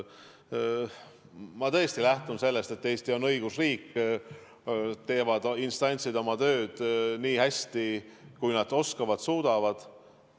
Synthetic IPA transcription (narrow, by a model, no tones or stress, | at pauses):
mɑt̪ɤ̞est̪ilæht̪unse̞lːe̞st̪e̞t̪ːe̞ːst̪io̞nɤ̞jɡ̥usriːkː | t̪e̞ːvɑd̪̥inst̪ɑnʲt̪sid̪o̞mɑt̪ø̞ːd̪̥niːhæsʲt̪ikujnɑd̪̥o̞skɑvɑd̪̥suːd̪̥ɑvɑd̪̥